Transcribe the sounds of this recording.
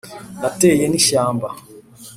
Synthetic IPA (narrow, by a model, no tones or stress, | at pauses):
natɛjɛniʃaːmba